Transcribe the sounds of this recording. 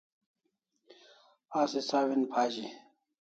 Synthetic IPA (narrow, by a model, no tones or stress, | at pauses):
aːsisaːwinpʰaːd͡ʑi